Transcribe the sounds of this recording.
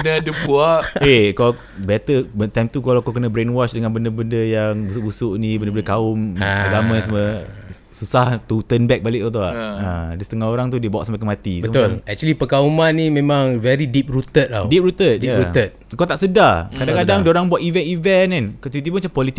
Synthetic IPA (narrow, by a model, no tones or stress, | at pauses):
knadəbuaʔekɔ | bɛt̪əbət̪ajmt̪ukalakokənə̃bɾenwɔt͡ʃdəŋanbəndəbəndəjaŋbusuʔbusuʔnĩbəndəbəndəkaʊmaɡamãjãsamə | susaht̪ut̪ənbɛk̚balɪʔk̚t̪ut̪ua̰ʔadisə̥t̪əŋahoɾaŋt̪udiəbawa̰ʔsampakəmat̪ibəoɛk̚t͡ʃulipəkaumanːĩmẽmãŋvɛɾidip̚ɾut̪ət̪̚la̰wdip̚ɾut̪ət̪̚diaɾuət̪̚kat̪aʔsədakadakadaŋdəoɾaŋbuaʔ̪ivɛnivɛnɛnkat̪it̪̬ip̬unmat͡ʃampɔlit̪i